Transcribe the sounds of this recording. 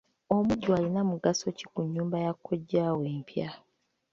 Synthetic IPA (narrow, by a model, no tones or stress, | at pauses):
o̞muɟːwaːlinamuɡaso̞ci̥kuɲːuːmbajakʰːoɟːaːweːmpja